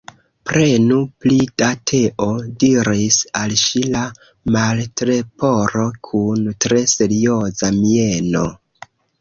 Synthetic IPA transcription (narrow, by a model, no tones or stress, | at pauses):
pɾe̞nuplid̥atʰe̞ʔo̞diɾisalʃila | maltɾe̞po̞ɾo̞kʰuntɾe̞se̞ɾio̞zamie̞no̞̰